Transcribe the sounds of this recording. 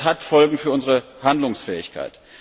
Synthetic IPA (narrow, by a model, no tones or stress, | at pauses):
hatfɔlɡŋ̩fyːɐʔʊnzəʁəhandlʊŋsfɛːɪ̰çkʰa̰ɪt